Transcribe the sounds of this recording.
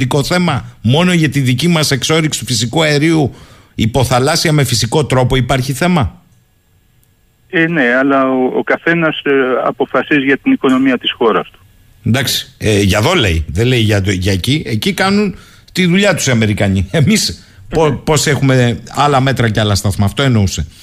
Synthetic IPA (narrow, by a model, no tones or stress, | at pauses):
iko̞θe̞mɐmo̞no̞ʝɐt̪iðicimɐse̞kso̞ɾiksi̥t̪u̥fisikuɐe̞ɾiu | ipo̞θɐlɐsiɐme̞fisiko̞t̪ɾo̞po̞ipɐɾçiθe̞mɐ | eneɐlɐoo̰kɐθe̞nɐsɐ̰po̞fɐsizʝɐt̪iniko̞no̞miɐt̪isxo̞ɾɐ̰st̪u̥ | nd̪ɐksi̥ʝɐðo̞le̞iðe̞le̞jʝɐt̪oʝɐecie̞cikɐnun | t̪iðuʎɐt̪u̥siɐme̞ɾikɐɲie̞mis | popo̞se̞xume̞ɐlɐme̞t̪ɾɐceɐlɐst̪ɐθmɐːft̪o̞e̞no̞use̞